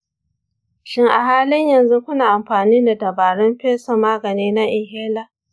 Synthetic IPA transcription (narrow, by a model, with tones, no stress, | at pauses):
ʃɪ˦ŋʔa̰˨ɦaː˦lɪ˦ɲjɐ˨nzu˦kʷʊ˦naː˨ʔa˨mɸaː˨niː˦da˨dɐ˨baː˨ɽɪ˦mɸeː˦sɔ˨maː˦ɡɐ˨neː˦na˦ʔɪ˨ŋɦeː˦la˦